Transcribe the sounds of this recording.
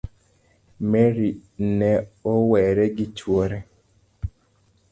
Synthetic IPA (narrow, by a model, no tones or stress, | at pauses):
mɛɾinɛɔwɛɾɛɡɪt͡ʃwoɾɛ